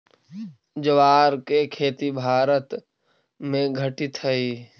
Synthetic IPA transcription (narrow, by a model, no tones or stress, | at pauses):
d͡ʒəʋaːɾkekʰeːt̪ibʱaːɾət̪ | mẽɡʱəʈɪt̪ʰəiː